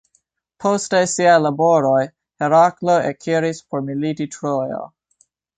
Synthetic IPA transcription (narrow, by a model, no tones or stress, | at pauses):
pʰostesiajlabo̞ɾo̞j | heɾakloekʰiɾispʰoɾmilititɾojo̰